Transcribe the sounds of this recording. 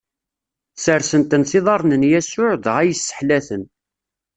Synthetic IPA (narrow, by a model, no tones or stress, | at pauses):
səɾsənt̪ənθiðˤɑɾˤnənjæsʊʕðʁæjəsːə̥ħlæθən